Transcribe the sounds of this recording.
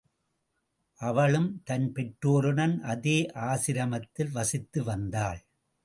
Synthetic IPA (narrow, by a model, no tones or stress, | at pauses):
ʔɐʋɐɭɯmt̪ɐnpɛʈɾoːɾɯɳɐnʔɐðeːʔaːsɪɾɐmɐt̪ːɪlʋɐsɪt̪ːɯʋɐnd̪aːɭ